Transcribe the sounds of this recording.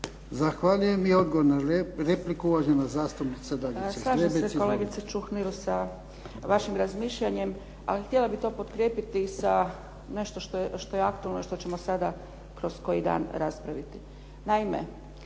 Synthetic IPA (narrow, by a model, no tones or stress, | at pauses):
zaxʋaʎujemio̞d̪ɡoʋoɾnaɾeplikuuʋaʒenazaːst̪upnit̪sed̪aʎit͡ɕeslˠaːʒeeseko̞le̞ɡit̪set͡ʃuxniɾusa | ʋaʃimɾazmiːʃʎaɲe̞m | a̰lixt̪ʲjelabit̪o̞ːpot̪kɾjeːpit̪isa | ne̞ʃt̪o̞ʃt̪oeʃt̪o̞jeakt̪ualnoiʃt̪o̞t͡ɕe̞mosad̪a | kɾo̞sko̞jid̪a̰ːnɾaspɾaʋit̪i | naimḛ